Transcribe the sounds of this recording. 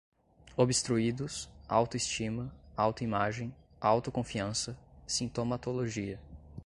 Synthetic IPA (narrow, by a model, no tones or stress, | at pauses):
obɪst̪ɾuid̪ʊsa̰wt̪ʊist͡ʃĩmɐawt̪ʊimaʒẽj̃ | awt̪ʊkõfiɐ̃sɐsĩnt̪omat̪oloʒiɐ